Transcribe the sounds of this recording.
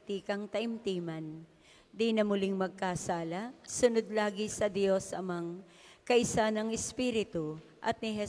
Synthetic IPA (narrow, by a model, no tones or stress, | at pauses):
t̪iːkɐŋt̪ɐʔɪmt̪iːmɐn | d̪inɐmʊliŋmɐɡ̚kasaːlɐsʊnod̪̚laːɡisɐd̪jo̞sɐmaŋ | kɐʔɪsanɐŋɛspiːɾɪt̪ʊ | ʔɐt̪̚nɪɦɛ